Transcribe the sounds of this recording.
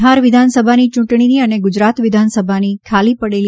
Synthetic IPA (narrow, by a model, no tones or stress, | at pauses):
ɦaɾʋɪd̪ʱansəbʱanit͡ʃũʈɳ̃iniəneɡʊd͡ʒɾat̪ʋɪd̪ʱansəbʱanikʰalipəɽel